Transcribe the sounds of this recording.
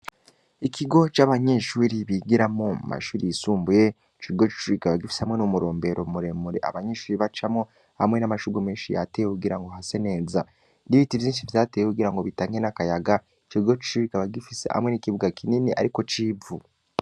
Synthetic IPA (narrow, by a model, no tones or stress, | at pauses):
ikʰiɡo̞t͡ʃaːβaɲe̞ʃuːɾiβiɡiɾamoṵma̰ʃuːɾijisuːmbuje | t͡ʃiɡo̞t͡ʃi̥ʃuːɾikaβaɡifi̥sehamŋe̞numuɾo̞ːmbe̞ɾʔo̞muɾe̞muɾḛa̰βaɲe̞ːʃuːɾiβat͡ʃamo | ha̰mŋe̞namaʃuɡumeːnʃija̰teːjekuɡiɾaŋɡo̞ɦase̞ne̞za | niβitivziːnʃivitateːjekuɡiɾaŋɡo̞βitaːŋɡenakajaɡa | t͡ʃiɾiɡo̞t͡ʃi̥ʃuɾiɾikaβaɡifisḛha̰mŋe̞nikiβuɡakʰininiʔa̰ɾiko̞t͡ʃiːu